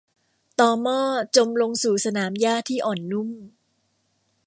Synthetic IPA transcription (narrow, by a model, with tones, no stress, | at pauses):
t̪ɔː˧mɔː˥˩t͡ɕo˧mlo˧ŋsuː˨˩sa˧naː˩˦mjaː˥˩t̪ʰiː˥˩ʔɔː˨˩nːu˥˩m